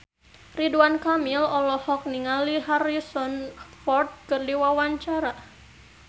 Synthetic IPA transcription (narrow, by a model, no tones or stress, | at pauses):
riduankamilɔlɔhɔk̚niŋaliɦarisɔnfɔrt̪̚kɨrdiwawaɲt͡ʃaɾa